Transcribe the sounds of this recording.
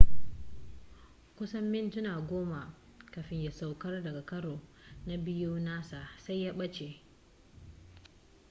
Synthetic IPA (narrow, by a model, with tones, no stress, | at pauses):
kʷʊ˦sɐ˦mːɪ˦˨ntʊ˦naː˨ɡʷoː˦ma˨ | kɐ˨ɸɪ˦ɲja˨sa˨wkɐ˦rdɐ˨ɡa˨kɐ˦ɽoː˨ | na˦bɪ˦juː˦naː˦sa˨sa˦jːaː˦ɓɐ˦t͡ʃe˨